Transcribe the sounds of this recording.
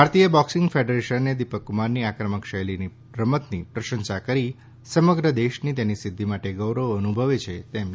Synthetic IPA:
bʱaɾt̪ijəbɔksɪŋɡfeɖeɾeʃənːed̪ipəkːumaɾniakɾəməkʃəjlini | ɾəmət̪nipɾəʃənsakəɾi | səməɡɾəd̪eʃnit̪̬enisɪd̪ʱːimaʈeɡəwɾəʋənubʱəʋet͡ʃʰet̪emi

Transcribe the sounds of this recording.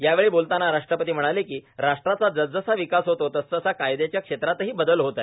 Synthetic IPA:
jaʋeɭiːbolt̪anːaɾaʂʈɾəpət̪iːm̤əɽ̃alekiːɾaʂʈɾat͡sad͡zəd͡zəsaʋikasɦot̪ot̪əst̪əsakajd̪et͡ɕjakʂet̪ɾat̪ɦiːbəd̪əlɦot̪aj

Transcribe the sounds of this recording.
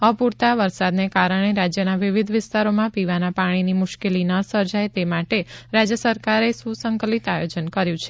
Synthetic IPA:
əpuɾt̪aʋəɾsad̪nekaɾəɽ̃eɾad͡ʒjənaʋɪʋid̪ʱʋɪst̪aɾomãpiʋanapaɽ̃inimʊʃkelinəsəɾd͡ʒajt̪emaʈeɾad͡ʒjəsəɾkaɾesũsəŋkəlit̪ajod͡ʒənkəɾjũt͡ʃʰe̥

